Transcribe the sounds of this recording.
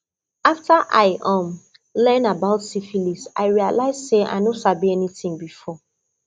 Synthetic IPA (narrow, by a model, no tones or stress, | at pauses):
aftaʔa̰ɪʔɔ̃m | lɛnabaʊtsifilisa̰ɪɹialaɪzseʔa̰ɪnosabiɛnitĩŋbifɔ